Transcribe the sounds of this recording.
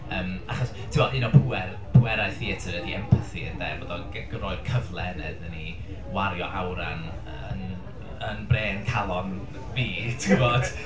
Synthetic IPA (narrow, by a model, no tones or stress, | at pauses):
əːmaχɔs | tʰɪwɔɨnɔpʰuɛr | pʰuɛɾaɨθiətʰəɾədiɛmpʰəθiə̰nðɛ̰ːvɔðɔɡɛɡ̥rɔɨd̥kʰəvlˠɛnɛ̰dəni | waɾjɔ̰ʔawɾa̰n | ən | ənbreːnkʰalˠɔn | viːtʰivod̥